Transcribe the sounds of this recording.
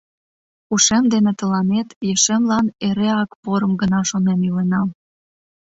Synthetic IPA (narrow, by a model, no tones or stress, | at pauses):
uʃemd̪enĕt̪ə̆lɑnet̪jeʃemlɑneɾeɑkpoɾəmɡənɑʃonemjylenɑm